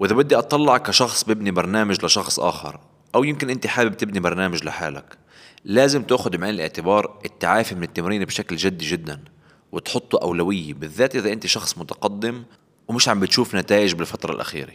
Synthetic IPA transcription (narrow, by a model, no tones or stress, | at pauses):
wʔɪðabʊd̪ːiʔɑt̪ˤːɑlːɑʕɑkːaʃɑxsˤbɪbnibɑɾˤnaːmaʒlɪʃɑxsˤʔa̰ːxɪ̰ɾˤ | ʔawjɪmkɪnʔɪnt̪iħaːbɪb̚t̪ɪbnibɑɾˤnaːmaʒlɪħa̰ːla̰k | laːzɪmt̪ʊʔxʊd̪mʕɪːnɪlʔɪ̰ʕt̪ɪbɑːɾˤʔɪt̪ːaʕaːfimɪnɪt̪ːamɾiːnbʃaklʒɪd̪ːiʒɪd̪ːan | wɪt̪ħʊt̪ˤːuʔa̰wlawɪjːebɪðːaːt̪ʔɪðaʔɪnt̪iʃɑxsˤmʊt̪ɑ̥qɑd̪ːɪm | wmɪʃʕambɪt̪ʃuːfnat̪aːʔɪʒbɪlfat̪ɾˤɑ̰lʔa̰xḭːɾḛ